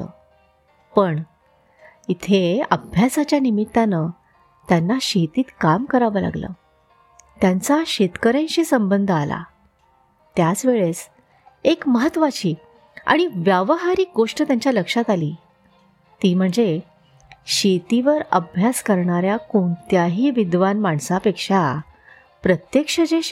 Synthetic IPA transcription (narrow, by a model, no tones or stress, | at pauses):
t̪ə̰ | pəɳ | it̪ʰeə̰bʱjasat͡ɕjanimit̪ːanə | t̪janːaɕet̪iːt̪kamkəɾaʋəːla̰ɡlə̰ː | t̪jant͡saɕet̪kəɾẽnɕiːsəmbənd̪ʱəala̰ | t̪jat͡sʋeɭes | ekməɦət̪ːʋat͡ɕiː | a̰ɽ̃iʋjəʋɦaɾiːk̚ɡoʂʈət̪jaɲt͡ɕjaləkʂat̪aliː | t̪iːm̤əɳd͡ze | ɕet̪iʋəɾəbʱjaskəɾɳaɾjakoɳt̪jaɦiːʋid̪ʋanmaɳsapekʂa | pɾət̪jekʂəd͡ʑe